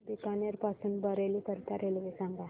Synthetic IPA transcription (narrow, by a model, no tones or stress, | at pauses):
bikanjaɾpasuːnbəɾelikəɾt̪aɾelʋesãŋɡa